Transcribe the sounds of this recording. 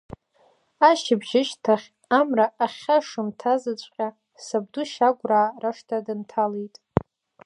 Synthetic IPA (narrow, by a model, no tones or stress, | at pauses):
aʃɪbʒɪʃtʰaχʲ | amraːχʲaʂɨmtʰazɨt͡ɕʷʼqʲʼa | sab̚duʃaɡʷraːraʂtʰadɨntʰalejtʼ